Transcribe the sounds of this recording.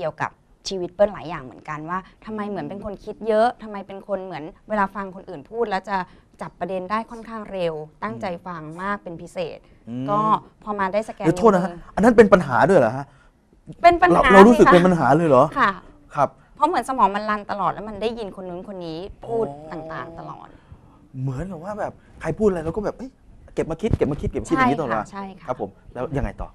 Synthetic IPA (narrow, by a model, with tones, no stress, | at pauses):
ki˧əwka̰˨˩p̚ | t͡ɕʰiː˧wi˦˥t̪̚pɤː˥˩nlaː˩˦jaː˨˩ŋmɯ̰˩˦ənka˧nwaː˥˩t̪ʰa˧mːa˧jmɯ˩˦ənpe˧nkʰo˧nkʰi˦˥t̪̚jɤ˦˥ʔt̪ʰa˧mːa˧jpe˧nkʰo˧nmɯ˩˦ənweː˧laː˧fa˧ŋkʰo˧nʔɯː˨˩npʰuː˥˩t̪̚lɛː˦˥wt͡ɕa˨˩ | t͡ɕa˨˩p̪̚ːɾa˧de˧ndaː˥˩jkʰɔ˥˩nkʰaː˥˩ŋɾe˧wt̪a˥˩ŋt͡ɕa˧jfa˧ŋmaː˥˩k̚pe˧npʰi˦˥sḛː˨˩t̪̚ː | kɔː˥˩ | pʰɔː˧maː˧daː˥˩jsa˧kɛː˧˨˦t̪ʰoː˥˩t̪na˦˥kʰʔa˧nːa˦˥np̬e˧npa˧nɦa̰ː˩˦du˥˩əjla̰˨˩kʰa˦˥ʔ | pe˧npa˧na˧wɾa˧wɾu˦˥skpe˧np̬a˧nɦaː˩˦lɤː˧jlɔː˩˦kʰa˧˥˩ | kʰa˦˥p̚ | pʰɔ˦˥mɯ˩˦ənsa˧mɔː˩˦ŋma˧nla˧nt̪a˧lɔː˨˩t̪̚lɛ˦˥ma˧nda˥˩jːi˧nkʰo˧nːu˧˦nkʰo˧nːiː˦˥pʰuː˥˩t̪ːaː˨˩ŋt̪a̰ː˨˩ŋt̪a˧lɔ̰ː˨˩t̪̚ | mɯ˨˩˦ənkaː˨˩waː˥˩bɛː˨˩p̚kʰa˧jpʰuː˥˩t̪̚la˧jɾa˧wkɔː˥˩bɛː˨˩p̚ʔɤ˦˥jke˨˩p̚maː˧kʰi˦˥t̪̚ke˨˩p̚maː˧kʰi˦˥ke˨˩pma˧ki˦˥˦t̪ɔː˨˩˨aː˧t͡ɕʰa˥˩jkʰa˦a˦pʰːo˩˦mlɛː˦˥wja˧ŋːa˧jt̪ɔ̰ː˨˩